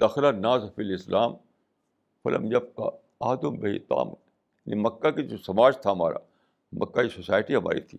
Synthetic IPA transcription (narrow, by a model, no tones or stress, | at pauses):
d̪ɐxɾanaːzɐfɪlɪslʔaːm | fɐlɐ̰mjɐb̚ka̰ | aːd̪ombɐɦit̪a̰ːmː | nimɐkːakid͡ʒoːsɐmaːd͡ʒt̪ʰaɦɐmaːɾa̰ | mʔɐkːaisosaːjʈiɦɐma̰ːɾḭt̪ʰiː